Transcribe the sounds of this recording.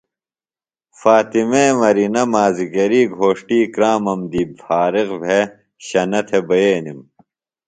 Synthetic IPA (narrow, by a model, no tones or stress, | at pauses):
faːt̪imeːmɐɾinɐmaːziɡɐɾiːɡʱoːʂʈiːkɾaːmɐmd̪iːbfaːɾiɣbʱe | ɕɐnɐt̪ʰebɐjeːnim